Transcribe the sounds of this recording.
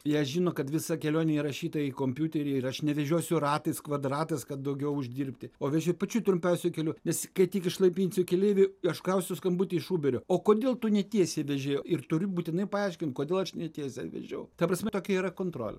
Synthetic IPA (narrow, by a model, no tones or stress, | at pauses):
jɛɐʃʒʲɪnoːkɐt̪ʋʲɪsɐkʲɛlʲoːnʲɛiɾɐʃʲiːt̪ɐikoːmʲpʲjuːt̪ʲɛɾʲɪɪɐʃnʲɛʋʲɛʒʲuɔsʲʊrɑːt̪ɐɪskʋɐd̪rɑːt̪ɐɪskɐt̪̚d̪ɐʊɡʲɛʊʊʒʲd̪ʲiːrʲpʲt̪ʲɪoːʋʲɛʒʲʊpɐt͡ʃʲuːt̪ɾʊmʲpʲɛʊsʲʊkʲɛlʲuːnʲɛskɐɪt̪ʲiːkɪʃlˠɐɪpʲiːnʲsʲʊkʲɛlʲeːʋʲɪɐʃkɐʊsʲʊskɐmbuːt̪ʲɪɪʃuːbʲɛɾʲooːkoːd̪ʲeːlˠt̪ʊnʲɛtʲiɛsʲɛʋʲɛʒʲeːjoɪrt̪ʊɾʲʊbuːt̪ʲɪnɐɪpɐɑˑɪʃʲkʲɪntkoːd̪ʲeːlˠɐʃnʲɛt̪ʲiɛsʲɛ̰ʋʲɛ̰ʒʲɛʊt̪ɐpɾɐsʲmʲɛt̪oːkʲɛiːɾɐkoːnt̪ɾo̰ːlʲɛ̰